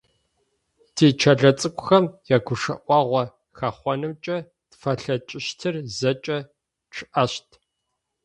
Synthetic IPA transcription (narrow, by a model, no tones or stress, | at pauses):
tʰeːt͡ʃʰɐɮɐt͡sʼɨkʷʼʊxɐmjaːɡʷʊʂɐ̰ʔʷɑːʁʷɐ | xaχʷɔnɨmt͡ʃʼɐ | tfɐɬɐt͡ʃʼɪʃtʰɨrzɐt͡ʃʼɐ | ʈ͡ʂʰɨʔɐɕtʰ